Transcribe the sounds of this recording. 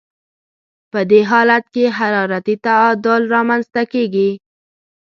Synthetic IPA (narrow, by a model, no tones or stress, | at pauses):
pəd̪eɦɑlat̪keɦaɾɑɾat̪it̪aɑd̪ʊlɾɑmanzt̪akeɡi